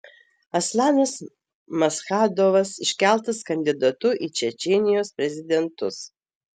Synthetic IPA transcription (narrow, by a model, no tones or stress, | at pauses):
ɐslʲˠɑːnɐs | mɐsxɑːd̪oːʋɐsɪʃʲkʲæˑlˠt̪ɐskɐnʲd̪ʲɪd̪ɐt̪ʊʔit͡ʃʲɛt͡ʃʲɛːnʲɪjoːspʲɾʲɛzʲɪd̪ʲɛnt̪ʊs